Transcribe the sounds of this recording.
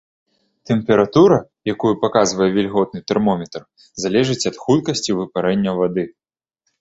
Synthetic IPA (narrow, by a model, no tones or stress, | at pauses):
t̪ɛmpʲɛɾat̪uɾɐ | jakujupakazvɐjɛvʲɛlʲɣɔd̪̚nɨt̪ɛrmɔmʲɛt̪r | zalʲɛʐɨt͡sʲɐt̪xut̪kɐsʲt͡sʲivɨpaɾɛnʲːɐvad̪ɨ